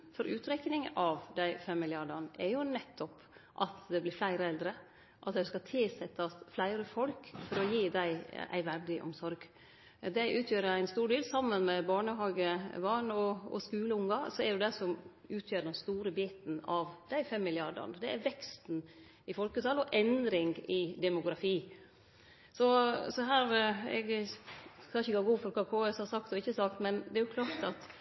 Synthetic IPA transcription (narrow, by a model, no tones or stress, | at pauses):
fɔɾʔʉːt̪ɾɛknɪŋʔɑʋd̪æɪfɛmːɪlɪɑɖəɳʔɛɾjʊnɛt̪ʰːɔp | ʔɑt̪d̪ɛblɪflæɪɾəɛld̪ɾə | ʔɑt̪d̪æɪskɑt̪ʰɪlsɛt̪ːɑsflæɪɾəfɔlkfɔɾɔjiːd̪æɪʔæ̰ɪʋæɖɪʔɔ̰msɔɾɡ | d̪æɪʔʉːt̪ʰjøːɾəɾæɪnst̪uːɖeːlsɑmːənmɛbɑːɳəɦɑːɡəʋɑnɔɔ̰skʉːləʊŋɑsɔɛɾjʊd̪æɪsɔmʉːt̪ʰjøːɾɖ̪ɛnst̪uːɾəbiːt̪n̩ɑʋd̪̥æɪfɛmːɪlɪɑɾɖə̰ɳəd̪ɛæɾʋɛkst̪n | ɪfɔlkət̪ʰɑlːɔʔɛnd̪ɾɪŋɪd̪ɛmʊɡɾɑfiː | sɔsɔɦæːɾɛ̰ɡ | kʰɑnçəɛɡɑɡuːfɔɾkʰɑːkʰoːɛshɑsɑkt̪ɔɪçːəsɑkt̪mɛnd̪ɛæɾjʊkʰlɑːɾt̪ɑt̪